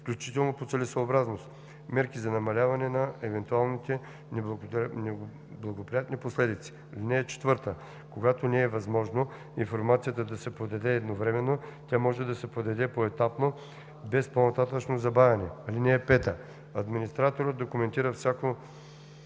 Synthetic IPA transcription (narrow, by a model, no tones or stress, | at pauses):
fklʲut͡ʃit̪ɛlˠnopot̪sɛlɛsoːbɾaznost̪ | mɛɾkizɐnɐmɐlʲavɐnɛnɐɛvɛnt̪ualˠnit̪ɛ | nɛnɛ | blˠɐɡopɾijat̪niposlɛd̪it̪si̥ | alinɛːt͡ʃɛ̥t̪vɤɾt̪ə | koɡat̪onɛːvɐzmɔʒno | infoɾmat̪sijət̪əd̪ɐsɛpod̪ɐd̪ɛːd̪novɾɛmɛnːot̪ʲamɔʒɛd̪ɐsɛpod̪ɐd̪ɛpoɛt̪apno | bɛsponɐt̪at̪ət͡ʃnozɐbavʲɛnɛɐlinɛːpɛt̪ə | ɐd̪minist̪ɾat̪oɾət̪̚d̪okʊmɛnt̪iɾəfsʲako